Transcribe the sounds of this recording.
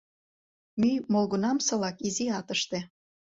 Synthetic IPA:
mymolɣunɑmsɤ̆lɑkiziɑt̪əʃt̪e

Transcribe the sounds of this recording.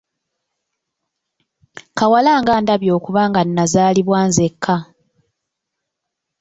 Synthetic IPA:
kawalaːŋɡaːndaβjoːkuβaːŋɡanːazaːliβwaːnzekʰːa

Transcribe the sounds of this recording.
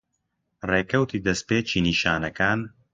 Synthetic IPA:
reːkɐwt̪ʰiːd̪ɐspeːt͡ʃiːniːʃaːnɐkaːn

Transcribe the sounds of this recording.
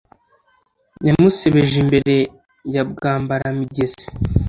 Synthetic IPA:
ɲamuseβeʒimbe̞ɾe̞ | jab̚ɡaːmbaɾamiɟezi̥

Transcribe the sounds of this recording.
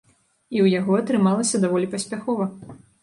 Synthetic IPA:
iwjaɣɔɐt̪ɾɨmalˠɐsʲɐd̪avɔlʲipɐsʲpʲaxɔvɐ

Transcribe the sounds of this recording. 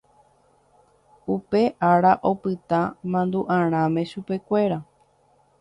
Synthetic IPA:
upe̞ʔaɾaʔo̞pɨt̪ãmãnd̪uʔãɾ̃ãmẽ̞ʃupe̞kʷe̞ɾa

